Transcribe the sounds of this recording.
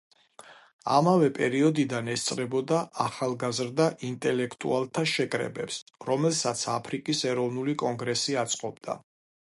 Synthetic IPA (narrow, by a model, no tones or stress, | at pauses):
a̰mavɛpʼɛɾiɔd̪id̪anɛst̪sʼɾɛbɔd̪aʔaχalˠɡazɾd̪aʔint̪ʼɛlɛkʰt̪ʼṵalˠt̪ʰaʃɛkʼɾɛ̰bɛpsɾɔmɛlˠsat̪sʰapʰɾikʼisɛɾɔvnulikʼɔŋɡɾɛsiat̪sʼqʼɔb̚d̪̥a̰